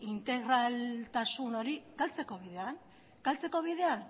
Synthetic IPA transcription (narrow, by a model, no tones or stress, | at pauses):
int̪e̞ɣɾalt̪asuno̞ɾiɡ̥alt͡se̞ko̞βiðe̞an | ɡ̥alt͡se̞ko̞β̞iðe̞an